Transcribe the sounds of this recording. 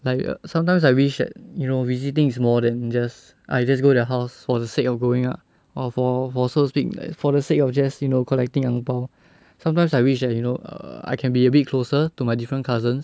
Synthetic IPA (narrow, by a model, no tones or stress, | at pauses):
laɪkʌ̰sãmt̬ãɪ̃msaɪwiʃdɛ̰t̚junovisit̬ɪ̃ŋismɔdɛ̃nd͡ʒas | ʔa̰jd͡ʒas̬ɡodəɦaʊsfɔdəsekɔfɡoɪ̃ŋap̚ | ɔfɔfɔsospikla̰fɔdəsekɔfd͡ʒɛsjunokʰɔlɛk̚tĩŋãŋpaʊ | sãmt̬ãɪ̃msajwiʃdɛt̚junoə̰a̰ɪkʰɛ̃nbiəbit̚kʰlosətumajdifɹə̃nkʰazə̃ns